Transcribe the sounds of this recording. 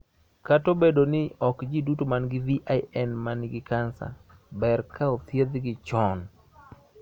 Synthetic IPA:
katobedonɪɔkd͡ʒidutomanɡɪviʔaɪɛnmanɪɡɪkansa̰ | bɛrkʰaot̪jed̪ɡɪt͡ʃɔn

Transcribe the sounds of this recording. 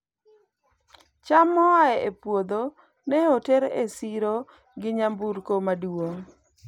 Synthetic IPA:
t͡ʃamːɔaɛʔepwod̪o | nɛoteɾesiɾo | ɡɪɲambuɾkomaduoŋ

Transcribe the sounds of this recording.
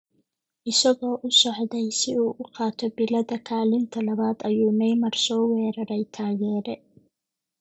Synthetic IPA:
ʔɪsɐɣɔːʔʊsɔħd̪ɛjsɪuːʔʊqɑːt̪ʰɔbɪlɐðɐkʰaːlɪnt̪ʰɐlɐβaːd̪ɐjuːmɛjmɐrsɔːwɛːɾɐɾɛjt̪ʰaːɣɛːɾɛ

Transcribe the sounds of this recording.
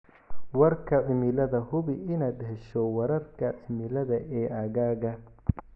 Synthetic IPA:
wɐrkʰɐʕɪmɪlɐðɐhʊβɪʔɪnaːd̪hɛʃɔwɐɾɐrkʰɐʕɪmɪlɐðɐʔɛːʔɐɣaːɣɐ

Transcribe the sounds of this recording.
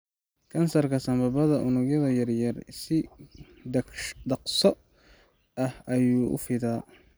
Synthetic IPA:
kʰɐnsɐrkʰɐsɐmbɐbɐðɐʔʊnʊɡjɐðɐjɐrjɐrsɪ | d̪ɐqsɔ | ʔɐhɐjuːʔʊ̰fɪðaː

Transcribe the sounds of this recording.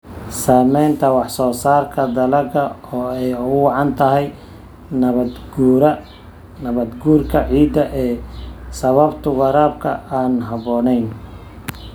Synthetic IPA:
saːmɛjnt̪ʰɐwɑħsɔːsaːrkʰɐd̪ɐlɐɡɐɔːɛjʊɣʊwɑʕɑnt̪ʰɐɦɛj | nɐβɐd̪ɡuːɾɐ | nɐβɐd̪ɡuːrkʰɐʕiːd̪ɐʔɛːsɐβɐbt̪ʰʊwɑɾaːbkʰɐ̰aːnɦɐβɔːnɛjn

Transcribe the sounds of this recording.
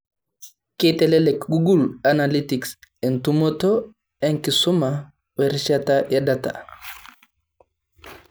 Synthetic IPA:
ketɛlɛlɛkɡuɡulanalitiksɛntumɔtɔ | ɛnkisuma | wɛɾʃatajɛdata̰

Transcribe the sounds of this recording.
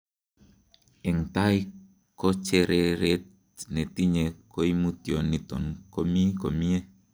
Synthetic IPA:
ɛŋt̪ai | kot͡ʃeɾeɾet | net̪iɲekoimut̪iɔnːit̪ɔnkomikomie

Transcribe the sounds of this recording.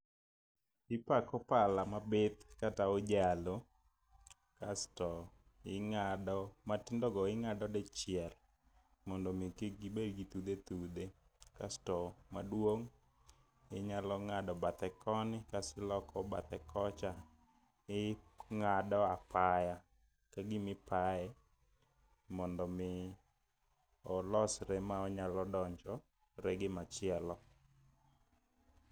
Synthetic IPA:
ɪpakɔpalamabet̪kataod͡ʒalo | kastɔ | ɪŋadɔmatɪndɔɡɔɪŋadɔdɛt͡ʃɪɛl | mɔndɔmikɪɡibeɡit̪ud̪et̪ud̪e | ka̰stɔmadwoŋ | ɪɲalɔŋadɔbat̪ɛkʰɔnɪkasɪlɔkɔba̰t̪ɛkʰɔt͡ʃa | ɪŋadɔapaja | kaɡɪmɪpaɛ | mɔndɔmɪ | ɔlɔsɾɛmaɔɲalɔdɔɲd͡ʒɔ | ɾɛɡɪmat͡ʃɪɛlɔ

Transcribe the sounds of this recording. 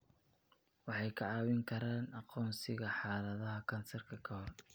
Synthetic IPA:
wɑħɑjkʰɐʕɑːwɪŋkʰɐɾaːnɑqɔːnsɪɣɐħɑːlɐðɐɦɐkʰɐnsɐrkʰɐkʰɐhɔr

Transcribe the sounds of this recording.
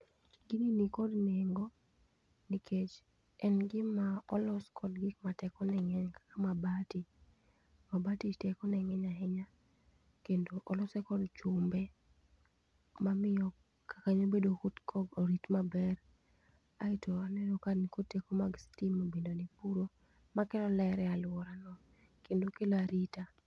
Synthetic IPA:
ɡininikɔdneŋɡo | nikʰet͡ʃ | ɛnɡɪmaɔlɔskʰɔdɡikmatɛkɔnɛŋɛɲkḁkamabati | mabatitɛkɔnɛŋɛɲaɦɛɲa | kendoʔɔlɔsɛkɔdt͡ʃʊmbɛ | mamɪjɔ | kakaɲobedokotkʰɔɡoɾitmabɛr | aitʰoanɛɾokankotekomaɡstimobendonipuɾo | makɛlɔlɛɾɛalʊwɔɾanɔ | kendokelaɾita

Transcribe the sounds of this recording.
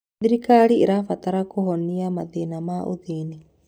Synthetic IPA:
d̪iɾikaːɽiiɾaːfɐt̪ɐɾakuɦonːijamɐd̪eːnamaːʔṵd̪iːni

